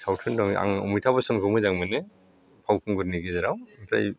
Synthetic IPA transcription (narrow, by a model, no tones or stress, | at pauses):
sawtʰɯndɔŋa̰ŋɔ̰mɯjtʰabasɔnɡʰɔmɯjzaŋmɯne | pʰawkʰɯŋɡuɾniɡezeɾawmpʰɾa̰j